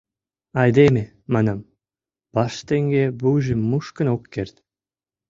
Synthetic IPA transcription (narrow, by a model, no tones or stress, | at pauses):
ɑjd̪emʲe | mɑnɑm | b̥ɑʃt̪eŋɡʲebuʒimuʃkə̆nokːert̪ʲ